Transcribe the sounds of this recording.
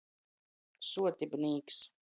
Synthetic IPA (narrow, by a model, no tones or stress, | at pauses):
suɔt̪ibniːks